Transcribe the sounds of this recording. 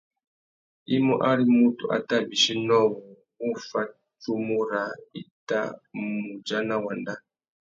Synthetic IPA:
i˦mɔ˦ʔa˦ɾi˦mu˦tu˨ʔa̰˨ta˦bi˨ʃi˦nɔ˦˨wɔ˨ | u˦fa˦ | t͡ʃu˦mu˦ɾa˨i˨ta̰˦mu˨d͡ʒa˦na˦wa˨nda˦

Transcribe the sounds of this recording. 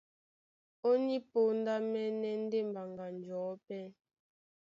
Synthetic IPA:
o˦ni˦po˦n̩˦da˦mɛ˦nɛ˦n̩˦de˦˨m˨ba˨ŋɡa˨n˨d͡ʒɔː˨˦pɛ˦

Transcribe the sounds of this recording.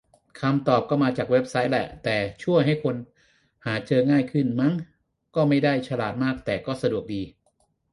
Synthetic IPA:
kʰa˧mt̪ɔː˨˩p̚kɔː˥˩maː˧t͡ɕaː˨˩k̚we˦˥p̚sa˦˥j̚lɛ̰˨˩t̪ɛː˨˩t͡ɕʰu˥˩əjɦa˥˩jkʰo˧n | haː˩˦t͡ɕɤː˧ŋaː˥˩jkʰɯ˥˩nma˦˥ŋ | kɔː˥˩ma˥˩jda˥˩jt͡ɕʰa˧laː˨˩t̪̚maː˥˩k̚t̪ɛː˨˩kɔː˥˩sa˧du˨˩ək̚diː˧

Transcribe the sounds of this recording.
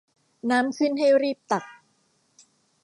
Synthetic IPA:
naː˦˥msɯ˥˩nɦa˥˩jɾiː˥˩p̚t̪a˨˩k̚

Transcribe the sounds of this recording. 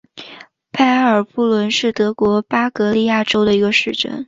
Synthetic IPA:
pʰa˥˩ɪə˞˨˩pu˥˩lwə˧˥nʂɻ̩˥˩t̪ɤ˧˥kwɔ˧˥pa˥kɤ˧˥li˥˧ja˥˩ʈ͡ʂo˥ʊd̪ə˨i˧˥ɡə˧ʂɻ̩˥˩ʈ͡ʂə̰˥n

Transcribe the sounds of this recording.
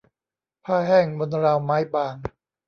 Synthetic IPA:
pʰaː˥˩ɦɛː˥˩ŋbo˧nɾaː˧wmaː˦˥jbaː˧ŋ

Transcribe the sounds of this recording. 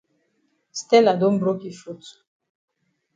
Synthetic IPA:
st̪ɛ˦la˨d̪o˦mbɾo˦ki˨fu˦t͡su̥

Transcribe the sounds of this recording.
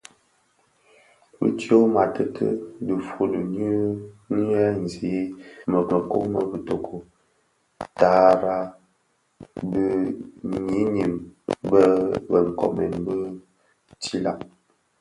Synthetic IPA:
bə̰˦tjo˦ma˨tə˦tʰə̰˦də˨fu˦lə˨nə˦ni˦ɛ˦n̩˨zi˨˦mə˨kə˨ko̰˦mə˦bə˨to˨kʰo˨ | ta˨˦ɾa˦ | bə˦ɲi˨˦ɲi˨mbə˦bə˨ŋ̩˨kɔ̰˨mɛ̰˨nbə˦ | ti˦la̰˨ʔ

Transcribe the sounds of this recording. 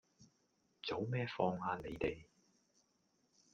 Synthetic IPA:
t͡so˨˧˥wmɛː˥fɔː˧ŋhaː˧ne˨˧jt̪e˨j

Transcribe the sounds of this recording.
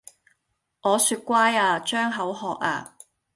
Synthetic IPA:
ŋʔɔː˨˧syː˧t̚kʷaː˥jaː˧t͡ʃœː˥ŋɦɐ˨˥wɦɔː˨k̚a̰ː˧

